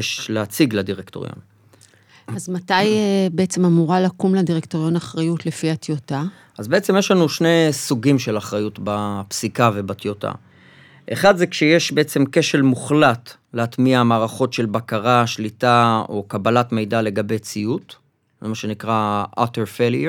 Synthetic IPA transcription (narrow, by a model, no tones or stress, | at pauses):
ʃleat͡siɡladiʁekto̞ʁjo̰n | azmatajbeet͡semamuʁalakumladiʁektoʁjo̞naχʁajutlefiatjota | ʔazbeet͡se̞mjeʃlanuʃne̞suɡimʃe̞laχʁajutbapsikave̞batjotʰa̰ | ʔeχad̪zekʃejeʃbe̞et͡se̞mke̞ʃe̞lmuχlat | leatmiamaːʁaχo̞tʃe̞lbakaʁaʃlitao̞̰kabalatme̞jdale̞ɡabe̞jt͡siut | zemaʃe̞nikʁaa̰teʁfelje